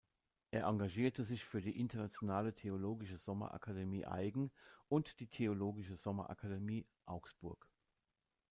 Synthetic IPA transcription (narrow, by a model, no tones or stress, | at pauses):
ʔeːɐʔaŋɡaʒiːɐtəzɪçfyːɐdiːʔɪntɐnat͡sjonaːlətʰeoloːɡɪʃəzɔmɐ̰ʔa̰kʰademiːʔa̰ɪɡŋ̩ʔʊntd̥iːtʰeoloːɡɪʃəzɔmɐ̰ʔa̰kʰademiː | ʔaʊksb̥ʊɐk